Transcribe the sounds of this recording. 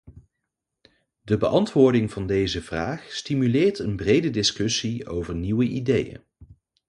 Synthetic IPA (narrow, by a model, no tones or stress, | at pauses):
dəbəʔɑntʋʊːɹdɪŋvɑndejzəv̥raːχstimylɪːɹtənbrejdədɪskʏsiowvəɹniwəʔidejə̰n